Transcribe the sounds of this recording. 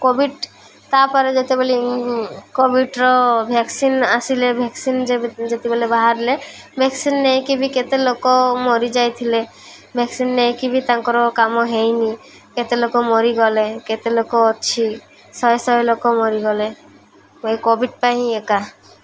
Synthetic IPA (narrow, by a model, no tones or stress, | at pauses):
kobʱiɖ | t̪apɔɾed͡ʒet̪ebeli | kobʱiɖɾɔbʱɛksinasilebʱeksind͡ʒed͡ʒet̪ibelibaɦaɾle | bʱeksinːejkibiket̪elokɔmɔɾid͡ʒajt̪ʰile | bʱeksinːejkibʱit̪ãŋkɔɾɔkamɔɦejni | ket̪elokɔmɔɾiɡɔleket̪elokɔːʃʰi | sɔesɔɦelokɔmɔɾiɡɔle | mejkobʱiɖpaɦĩeka